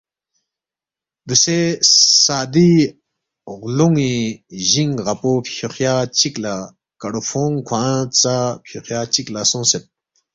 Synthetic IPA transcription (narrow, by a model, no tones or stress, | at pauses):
d̪əsesad̪i | ʁloŋiʑiŋʁapoɕʰoχjat͡ɕik̚la | kaɽofʰoŋkʰwat͡sapʰoχjat͡ɕik̚lasoŋset̪̚